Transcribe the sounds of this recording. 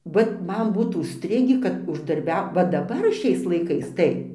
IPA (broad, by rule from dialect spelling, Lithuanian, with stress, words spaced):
ˈʋɐt ˈmɐn ˈbuːt ʊʃʲˈsʲtʲrʲɪɡʲiː kɐt ʊʒdɐrʲˈbʲɛʊ ʋɐ dɐˈbɐr ˈʃʲɛɪs lˠɐɪˈkɐɪs ˈtɐɪ